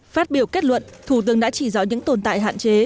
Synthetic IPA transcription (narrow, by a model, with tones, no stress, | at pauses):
faː˦˥t̚ɓi˧˩əwke˦˥t̚lwə̰˧˨nt̪ʰu˧˩t̪ɨ˨˧əŋɗa̰ː˧˥t͡ɕi˧˩zɔ̰˧˥ɲɨ̰˧˥ŋt̪o˨˩nt̪a̰ː˧˨jɦa̰ː˧˨nt͡ɕe˨˦